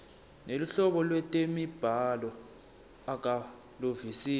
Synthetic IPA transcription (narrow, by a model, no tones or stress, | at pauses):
neluɬɔɓɔlwɛtʼemib̥ʱalɔ | ak̬ʼa | lovisiː